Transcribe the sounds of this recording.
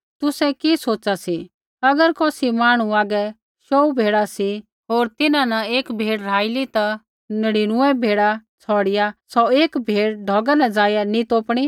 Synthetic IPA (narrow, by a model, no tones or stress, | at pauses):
t̪ʊsɛ̃kisoːt͡ʃasi | ɐɡəɾkɔːsimaːɽ̃uaːɡɛ | ʃɔːubʱeːɽasi | ɦoːɾt̪ɪnãnɐeːkbʱeːɽɾaːɪlit̪a | nəɽiɽ̃ʊɛ̃bʱeːɽat͡sʰɔːɽɪjasɔeːkbʱeːɽɖʱɔːɡanãd͡zaːjanit̪oːpɽ̃i